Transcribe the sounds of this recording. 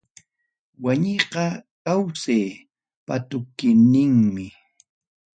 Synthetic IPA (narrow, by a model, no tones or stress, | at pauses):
waɲejqɑkawseː | pat̪ʊkɪnɪŋmɪ